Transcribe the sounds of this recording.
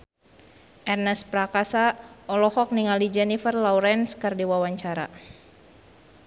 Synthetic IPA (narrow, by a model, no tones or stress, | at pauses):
ʔɛrnɛspɾakasaʔɔlɔhɔk̚niŋalid͡ʒɛnifərlawɾɛnskərdiwawaɲt͡ʃaɾa̰